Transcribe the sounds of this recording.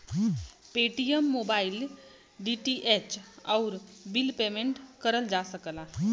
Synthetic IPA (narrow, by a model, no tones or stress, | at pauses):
peːʈijəmːoːbaːɪl | ɖiʈiʔeːt͡ʃɔːɾbɪlpeːmẽɳʈkəɾəld͡ʒaːsəkəlaː